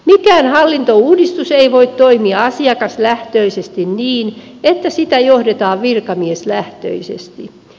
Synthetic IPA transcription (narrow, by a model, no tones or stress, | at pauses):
mikæːnhɑlːint̪ouːdist̪useiʋoit̪t̪oimiɑɑsiɑkɑslæht̪øisest̪inniːn | et̪ːæsit̪æjohdet̪ɑːʋʋirkɑmieslæht̪ø̰isḛst̪i